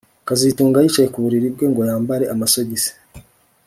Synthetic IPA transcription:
kazituːŋɡajiːt͡ʃaje̞kuβuɾiɾib̚ɡe̞ŋɡo̞jaːmbaɾe̞ʔamaso̞ɟise̥

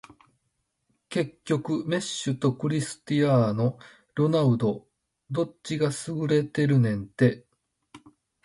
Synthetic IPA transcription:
ke̞kʲːo̞kɯ̟me̞ɕːɨt̪o̞kɯ̟ɾʲisɨ̥t̪iaːno̞ | ɾo̞naɯ̟d̪o̞ | d̪o̞t͡ɕːiɡasɨɡɯ̟ɾe̞t̪e̞ɾɯ̟nẽ̞nt̪e̞

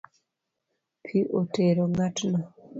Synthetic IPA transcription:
pʰiʔoteɾoŋatna

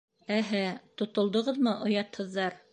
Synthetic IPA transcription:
æɦæt̪ŏt̪ŏlˠd̪ɤ̆ʁɤðmɤʔŏjɑt̪hɤ̆ðːɑɾ

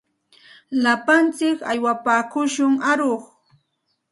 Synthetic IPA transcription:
lapant͡sɪka̰jwapaːkʊʃʊŋaɾoχ

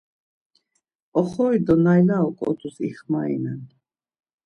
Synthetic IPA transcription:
ɔχɔid̪ɔnajlaɔkʼɔ̰t̪ʰusḭχmaḭnan

